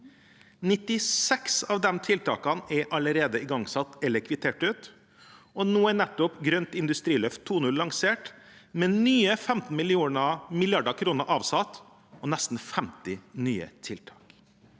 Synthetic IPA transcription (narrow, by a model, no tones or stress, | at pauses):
nɪt̪ɪsɛksɑːʋd̪ɛnt̪ʰɪlt̪ʰɑ̰ːkɑnɛʔɑləɾeːd̪əɪɡɑŋsɑt̪ɛləkʰʋɪt̪ʰeːʈʉːt̪ | ɔnoːæɳɛt̪ːɔpɡɾœnt̪ɪnd̪ʉst̪ɾiːlœft̪ʰːuːnʉllːɑŋseːʈ | mɛnyːəfɛmt̪n̩mɪlɪuːnɑmɪlɪɑɖəkʰɾuːnəɾʔɑːʋsɑt̪ | ɔnɛst̪n̩fɛmt̪ɪnyːə̰t̪ʰɪlt̪ʰɑːk